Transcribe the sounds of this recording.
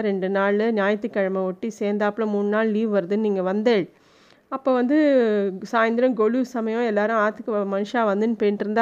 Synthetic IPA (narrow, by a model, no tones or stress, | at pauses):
ɾɛɳɖɯnaːɭɯnjaːjɐt̪ːɯkːɐɻɐmɐɔʈːiseːnd̪aːpːlõmuːnːɯnaːɭliːʋʋɐɾɐðɯnniːŋɡɐʋɐnd̪eːɻ | ɐpːoːʋɐnd̪ɯsaːjɐnd̪ɪɾɐmɡɔɭusɐmɐjõɛlːaːɾʊ̃aːt̪ːɯkːɯmɐnɯʂãːʋɐnd̪ɯnpeːnʈɾɯnd̪a